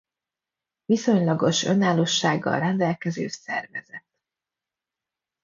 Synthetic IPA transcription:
viso̞ɲlɒɡo̞ʃø̞naːloːʃːaːɡːɒ̰lrɛnd̪ɛlkɛzeːʃsɛrvɛzɛt̪

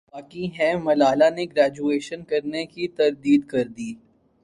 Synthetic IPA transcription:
baːkiɦɛ̃mɐlaːlaneɡɾæːd͡ʒueːʃənkɐɾnekit̪ɐɾd̪iːd̪kɐɾd̪iː

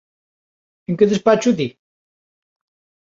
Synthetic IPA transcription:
eŋkeðespat͡ʃuði

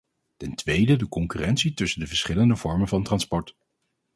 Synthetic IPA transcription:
tɛntʋejdədəkɔŋkyrɛnsitɵsəndəvəɹsχɪləndəv̥ɔɹmənvɑntrɑnspɔɹt

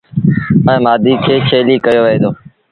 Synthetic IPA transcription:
mə̃ẽːmaːd̪iːkʰeːt͡ʃʰeːliːkəjoːʋəẽːd̪oː

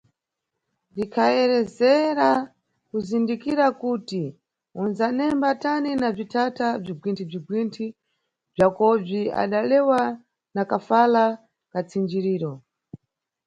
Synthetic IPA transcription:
dikʰaɛɾɛzɛɾa | kuzindikiɾakuti | unzanɛmbataninab͡ʐitʰatab͡ʐiɡwintʰib͡ʐiɡwintʰi | b͡ʐakɔb͡ʐia̰ɗalɛwa | nakafala | kat͡sʰind͡ʒiɾiːɾɔ

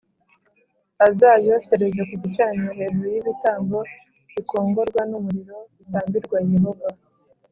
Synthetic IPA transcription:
azaːjo̞se̞ɾezekuɡit͡ʃaːɲeɦe̞ɾuojiβitaːŋɡo̞ | iko̞ːŋɡo̞ɾɡwanumuɾiɾo̞itaːmbiɾɡwajeɦova

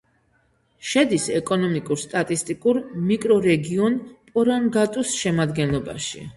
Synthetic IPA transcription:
ʃɛd̪isɛkʼɔnɔmikʼuɾst̪ʼat̪ʼist̪ʼikʼuɾmikʼɾɔɾɛɡiɔnpʼɔɾaŋɡat̪ʼusʃɛmad̪ɡɛnlˠɔba̰ʃḭ

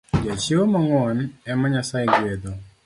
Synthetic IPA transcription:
d͡ʒat͡ʃiwomɔŋɔnɛmɔɲasajeɡed̪o

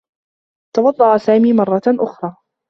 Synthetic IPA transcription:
t̪ɑwɑd̪ˤːɑʔasaːmiːmɑrˤːɑʔʊxɾˤɑː

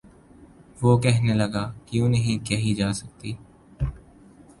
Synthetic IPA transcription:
ʋoːkɛɦneləɡaːkjũːnəɦĩkɛɦid͡ʒaːsək̚t̪iː

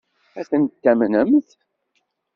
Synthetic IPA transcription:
æθənt̪ːæmnəmθ

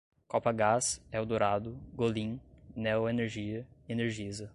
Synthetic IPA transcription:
kɔpɐɡasɛʊd̪oɾad̪ʊɡolĩnɛweneɾʒiɐeneɾʒizɐ

